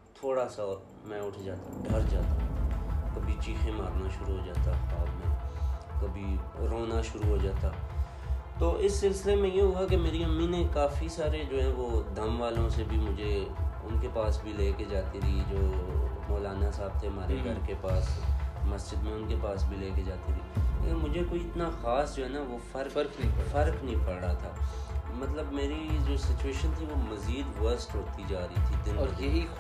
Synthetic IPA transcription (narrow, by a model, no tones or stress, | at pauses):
t̪ʰoːɽasaɔːɾ | mɛ̃ːʊʈʰd͡ʒaːt̪aɖʱɐɾd͡ʒaːt̪akɐbʱit͡ʃiːxẽmaːɾnaʃʊɾuɦod͡ʒaːt̪aɔːɾmɛ̃ːkɐbʱiɾoːnaʃʊɾuɦoːd͡ʒaːt̪aː | t̪oːʔɪsːɪlsɪlemẽjeɦʊakemeːɾiɐmːinẽkaːfisaːɾed͡ʒoːɦɛ̃ʋod̪ʱɐmʋaːlõsebʱimʊd͡ʒʱeʊ̰nkepaːsbʱileːked͡ʒaːt̪ed̪id͡ʒoːmɔːlaːnaɪsaːb̚t̪ʰeɦɐmaːɾeɡʱɐɾkepaːsmɐsd͡ʒɪd̪mẽʊnkepaːsbʱileːked͡ʒaːt̪it̪ʰiːeːmʊd͡ʒʱekoːiɪt̪naxaːsd͡ʒoːɦɛːnaʋofɐɾɾkfɐɾknəɦĩpʰəːɽat̪ʰaːmɐt̪ləbmeːɾid͡ʒoːsɪt͡ʃueːʃənt̪ʰiʋomɐziːd̪ʋəɾsʈɦoːt̪id͡ʒaːɾəit̪ʰid̪ɪnːi